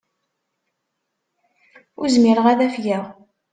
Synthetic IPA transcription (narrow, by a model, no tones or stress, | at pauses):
ʊɾzmiɾəʁæðæfjæʁ